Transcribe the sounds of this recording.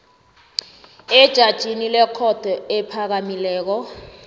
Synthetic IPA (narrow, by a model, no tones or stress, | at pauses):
ɛd̥ʒ̥ʱad̥ʒ̥ʱinilɛkʰɔd̥ʱɔɛpʰak̬amilɛːk̬ɔ